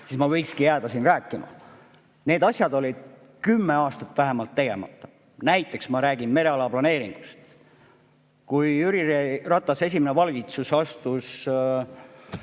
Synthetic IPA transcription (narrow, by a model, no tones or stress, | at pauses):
sismɑvɤjkskijæːd̪ɑsinræːkːˑimɑ̰ | ne̞ːd̪ɑsʲjɑd̪o̞lʲid̪̥̚ | kymːe̞ɑːst̪ɑt̪ːˑvæɦe̞mɑlt̪ːe̞ɡe̞̰mɑ̰t̪ːˑɑ̥ | næjt̪ːˑe̞ksmɑɾæːɡ̥inme̞ɾe̞ɑlɑplɑne̞ːɾiŋɡ̥ust̪ | kujyɾirerɑt̪ˑːɑse̞s̬ʲimenevɑlɡit̪susɑst̪us